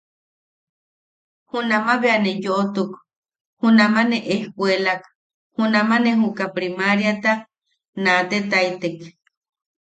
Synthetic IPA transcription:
hunamaβeanejoʔt̪uk | hunamaneʔehkʷwelak | hunamaneɦukapɾimaɾjat̪a | nat̪et̪ajt̪ek

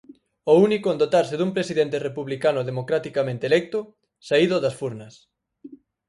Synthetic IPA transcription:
ounikoẽnd̪ot̪aɾseðumpɾesiðent̪erepuβlikanʊðemokɾat̪ikamẽnt̪elɛk̚t̪ʊ | saiðʊðɐsfuɾnɐs

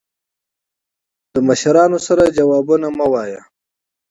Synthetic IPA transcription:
d̪̥əmaʃaɾɑnosaɾad͡ʒawɑːbunamawɑja

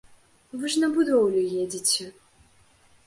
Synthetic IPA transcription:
vɨʐnɐbud̪ɔwlʲʊjɛd͡zʲit͡sʲɛ

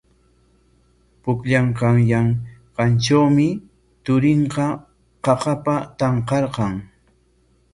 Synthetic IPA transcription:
pʊkʎaɴqɑŋjaŋqɑnʈ͡ʂawmɪ | t̪ʊɾɪɴqɑ | qɑqɑpat̪ɑɴqɑɾqɑŋ

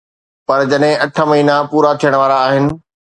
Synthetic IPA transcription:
pɐɾd͡ʑɐɗɦɪ̃ɐʈʰəmɐɦiːnapuːɾat̪ʰijəɽ̃ʋaːɾaːɦɪnɪ̆

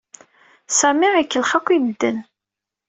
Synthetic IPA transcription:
sæmiʁikːəlχækʷːiməd̪ːən

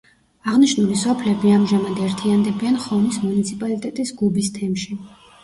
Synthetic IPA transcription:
aʁniʃnulisɔpʰlɛbiamʒamad̪ɛɾt̪ʰiand̪ɛbianχɔnismunit̪sʰipʼalit̪ʼɛt̪ʼisɡubist̪ʰɛmʃi

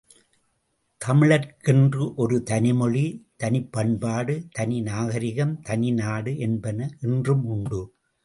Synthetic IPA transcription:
t̪ʰɐmɪɭɐɾkɪndrɯʔɔɾɯt̪ɐnɪmɔɭit̪ɐnɪpːɐnbaːɽɯt̪ɐnɪnaːɣɐɾɪɣɐmt̪ɐnɪnaːɽɯʔɛnbɐnɐʔɪndrɯmʊɳɖɯ

